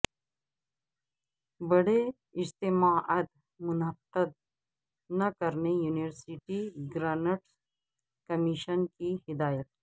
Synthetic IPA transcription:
bəɽe | ɪd͡ʑt̪imaːʔət̪ | mʊnəkəd̪̚ | nɐkəɾnejuːniʋəɾsiʈiɡɾaːnəʈ | kɐmiʃənkiɦɪd̪aːjət̪̚

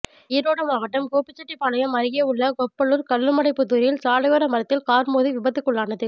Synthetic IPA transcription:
ɪɾoːɽɐmaːʋɐʈːɐmkoːpːɪt͡ʃːɐʈːipːaːlɐjɐmɐɾɪɣeːʊɭːɐɡɔpːɐɭɯɾkɐɭːɯmɐɽɐɪpːɯt̪ːuːɾɪjɪlsaːlɐʋɐɾɐmɐɾɐt̪ːɪlkaːɾmoːðiʋɪbɐt̪ːɯkːɯɭːaːnɐðɯ

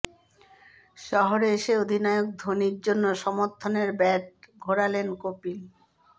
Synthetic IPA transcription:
ʃɔɦoɾeeʃeod̪ʱinaeok̚d̪ʱoniɾd͡ʑonːoʃɔmoɾt̪ʰːoneɾbɛʈ̚ɡʱoɾalenkopil

